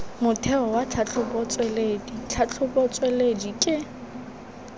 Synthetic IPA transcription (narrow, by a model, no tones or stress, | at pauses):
mʊtʰɛɔwat͡ɬʰat͡ɬʰʊbɔt͡sʼweledit͡ɬʰat͡ɬʰʊbɔt͡sʼweledikʼɪ